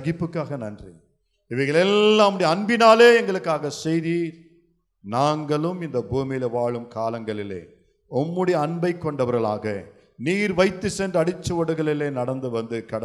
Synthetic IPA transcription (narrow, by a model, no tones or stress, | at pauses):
ɐɣɪpːɯkːaːɣɐnɐndri | ɪʋɐɪɣɐɭɛlːãːmɽiɐɳbɪnaːleːɛŋɡɐɭɯkːaːɣɐsɛjðiːɾ | naːŋɡɐɭɯmɪnd̪ɐbuːmɪjɪleʋaːɭɯmkaːlɐŋɡɐɭɪlḛː | ɔmːɯɽiɐɳbɐɪkːɔɳɖɐʋɐɾɣɐɭa̰ːɣɐ | niːɾʋɐɪt̪ːɯsɛndrɐɽɪt͡ʃːɐɔɽɯɣɐɭɪleːnɐɽɐnd̪ɯʋɐnd̪ɯkɐɽɐ